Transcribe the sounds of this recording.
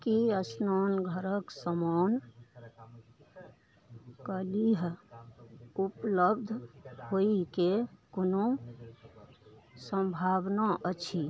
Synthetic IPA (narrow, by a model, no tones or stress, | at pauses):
kiəsnanɡʱəɾəksəman | kəliɦ | upləbd̪ʱhoikekono | sə̃mbʱabnaʔət͡ʃʰi